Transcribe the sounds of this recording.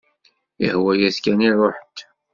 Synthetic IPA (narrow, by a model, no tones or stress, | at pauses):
ə̰hwæjæskænirˤoħt̪